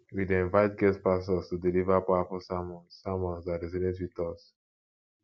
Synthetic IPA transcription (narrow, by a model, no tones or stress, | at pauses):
wideĩnvaɪt̚ɡɛspasɔstudilivapawafɔsamɔ̃nːamɔ̃nsaɾɛzinetwiðɔs